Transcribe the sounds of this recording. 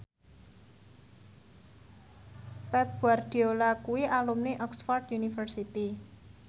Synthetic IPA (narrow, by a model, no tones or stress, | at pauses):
pɛp̚buard̪̥i̤olakuwiʔalumneʔɔksfɔrt̪junifərsit̪i